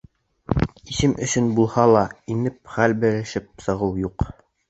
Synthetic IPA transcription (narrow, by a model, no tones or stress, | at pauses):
isɘmʔɵ̆sɵnbulˠhɑlˠɑinɘp̚χælbɘ̆ɾɘ̆ʃɘp̚sɤ̆ʁɤwjuq